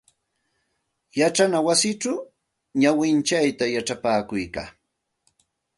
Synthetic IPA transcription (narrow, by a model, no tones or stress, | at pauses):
jaʈ͡ʂanawasɪʈ͡ʂaw | ɲawɪnt͡ʃajt̪ajaʈ͡ʂapaːkʊjka̰ː